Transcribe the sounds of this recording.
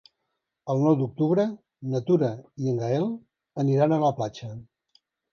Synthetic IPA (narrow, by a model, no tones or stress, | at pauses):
əlˠnɔwd̪uk̚t̪uβɾə | nət̪uɾəiəŋɡaɛlˠ | əniɾanələplat͡ʃə